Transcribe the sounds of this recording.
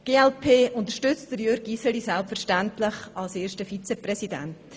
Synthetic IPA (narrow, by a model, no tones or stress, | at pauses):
ɡ̥eːɛlpʰeːʊntəɾʃtʏt͡std̥əɾjøɾɡisəlisɛlpfəɾʃtæntlɪχɑlseːʃtəfit͡sɛprɛsidæ̰nt